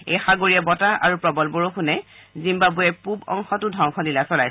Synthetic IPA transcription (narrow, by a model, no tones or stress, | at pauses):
ḛjxaɡoɹiabɔtaʔa̰ɹupɹɔbɔlboɹokʰunɛzimbabuɛpubɔ̰ŋxɔtʊdʱɔŋxʰɔnilasɔlajs